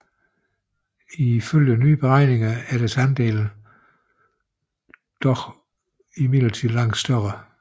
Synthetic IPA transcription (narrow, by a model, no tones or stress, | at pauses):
iføl̰jənyːb̥eʁɑ̈ɪ̰ne̝ŋɐæɐɾ̥æsænd̥e̝̰ːln̩ | d̥ɒɡ̥ | imið̥̰l̩t͡sʰiðˠlɑ̈ŋ̰d̥sd̥ɶʁɐ